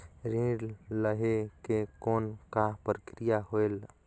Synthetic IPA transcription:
ɾĩːɽləɦekekoːnkapɾkɾɪjaɦoel

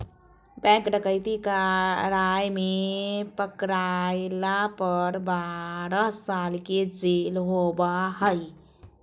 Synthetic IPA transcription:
bɛ̃kɖəkəɪt̪ikaɾajmepəkɾalapəɾbaɾəsalked͡ʒelɦobahəj

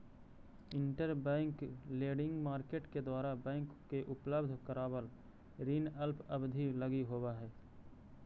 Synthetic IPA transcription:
ɪɳʈəɾbɛ̃ːŋkleːɖɪ̃ŋɡmaːɾkeːʈked̪waːɾabɛ̃ːŋkːeʔʊpləbd̪ʱkəɾaːwəl | ɾiːnəlpʰəbd̪ʱiləɡiɦoːwaɦɛː

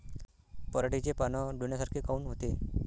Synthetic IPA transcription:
pəɾaʈit͡ɕepanɔɖʱuɳjasaɾkʰekauːnɦot̪e

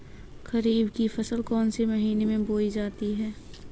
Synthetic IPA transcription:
kɐɾiːbkifɐsəlkɔːnsemɐɦiːnemẽboːid͡ʒaːt̪iɦɛː

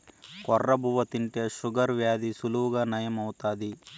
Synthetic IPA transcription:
kɔrːɐbʱuʋɐt̪iɳʈjɐʃuɡɐɾʋjaːd̪isuluːɡɐnɐjɐmɐwt̪aːd̪i

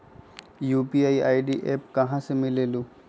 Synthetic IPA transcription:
jupiajajɖiʔep̚kãɦãsɛmilelu

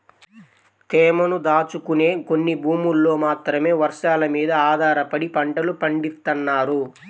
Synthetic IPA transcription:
t̪ɛːmɐnud̪aːt͡ʃukune̞ːko̞nːibʱuːmulːo̞ːmaːt̪ɾɐme̞ːʋɐɾʂaːlɐmiːd̪ɐaːd̪ʱaːɾɐpɐɽipɐɳʈɐlupɐɳɖist̪ɐnːaːɾu

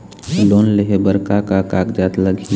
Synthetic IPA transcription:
loːnleɦebəɾkakakaːkd͡ʒaːt̪ləɡʱi

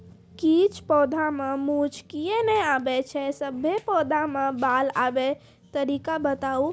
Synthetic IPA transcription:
kit͡ʃʰpɔd̪ʱamemut͡ʃkijenɛabɛt͡ʃʰɛsəbʱːepɔd̪ʱamebala̰bɛ | t̪əɾikabət̪au

